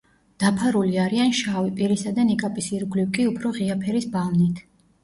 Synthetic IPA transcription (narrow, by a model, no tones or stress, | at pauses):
d̪̥apʰaɾuliaɾianʃavipʼiɾisad̪anikʼapʼisiɾɡliwkʼiupʰɾɔʁiapʰɛɾisbalˠnit̪ʰ